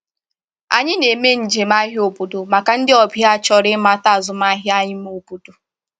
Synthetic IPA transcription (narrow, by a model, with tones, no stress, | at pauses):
a̰˨ɲɪ˦ne˨me˦n̩˨d͡ʒe˨ma˦ɦo˨pu˨do˨ma˨ka˨n̩˦dɪ˦ɔ˨bja˦˨t͡ʃɔ˦ɾɪ˦ma˦ta˦˨zʊ˨ma˦ɦja˦ɲɪ˦m˦o˨pu˨tu˨